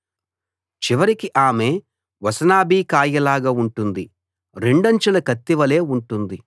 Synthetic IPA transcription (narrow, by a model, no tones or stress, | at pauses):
t͡ʃiʋɐɾikiʔaːme̞ː | ʋɐsɐnaːbiːkaːjɐlaːɡauɳʈund̪i | ɾeɳɖɐɲt͡ʃulɐkɐt̪ːiʋɐle̞ːuɳʈund̪i